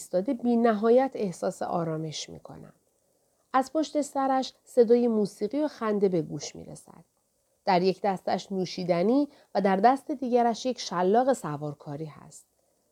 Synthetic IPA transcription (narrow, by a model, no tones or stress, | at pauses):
st̪ɒːd̪e̞biːnæɦɒːjæt̪ʰe̞hsɒːse̞̰ʔɒːɾɒːme̞ʃmḭkʰo̞̰næ̰m | æz̥pʰo̞ʃt̪e̞sæɾæʃ | se̞d̪ɒːje̞muːsiːɣioxænd̪e̞be̞ɡuːʃmḭːɾḛsæ̰d̪̥̚ | d̪̥æɾjecd̪æst̪æʃnuːʃiːd̪æniː | væd̪æɾd̪æst̪e̞d̪iːɟæɾæʃjecʰʃælːɒːɣe̞sævɒːɾkʰɒːɾiːhæ̰st̪̚